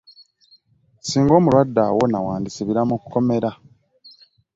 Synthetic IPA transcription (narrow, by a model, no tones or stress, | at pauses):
siːŋɡo̞ːmulwadːa̰wo̞nawaːndisiβiɾamuku̥ko̞me̞ɾa